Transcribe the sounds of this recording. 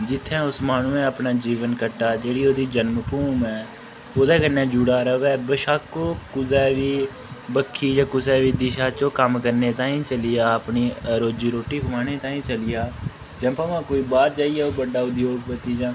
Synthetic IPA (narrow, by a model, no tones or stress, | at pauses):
d͡ʒɪt̪ʰːɛ̃ːʊsmaːnũːẽːəpnaːd͡ʒiːʋənkəʈːaːd͡ʒeːɽiːoːd̪iːd͡ʒənməpuːmɛː | oːd̪ɛːkənɛ̃ːd͡ʒuːɽaːɾəʋɛːbəʃaːkoːkʊzɛːʋiː | bəkʰːiːd͡ʒãːkʊsɛːʋiːd̪ɪʃaːt͡ʃõːkəmkəɾneːt̪ãːĩːt͡ʃəlɪjaːəpniːəɾoːd͡ʒiːɾoːʈiːkʊmãːneːt̪ãːĩːt͡ʃəlɪjaː | d͡ʒɛ̃ːpəːʋãːkoːiːbaːɾd͡ʒaːiːɛːoːbəɖaːʊd̪joːɡ̚pət̪iːd͡ʒãː